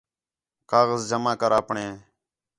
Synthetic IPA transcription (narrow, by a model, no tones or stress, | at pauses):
kaːɣəzd͡ʒəmãːkəɾaːpɳẽː